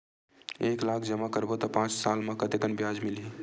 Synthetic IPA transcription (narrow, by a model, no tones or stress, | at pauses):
eːklaːkʰd͡ʒəmakəɾbot̪ɔpãːt͡ʃsaːlmãkət̪ekənbjaːd͡ʒmɪlɦi